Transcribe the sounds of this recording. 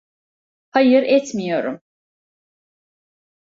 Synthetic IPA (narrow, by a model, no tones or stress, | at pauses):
hajɯɾɛt̪mijo̞ɾum